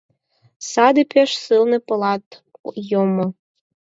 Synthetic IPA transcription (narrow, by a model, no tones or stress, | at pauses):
sɑd̪ɨpʰʲeʃsɨlnĕpɤ̆lɑt̪ | jomŏ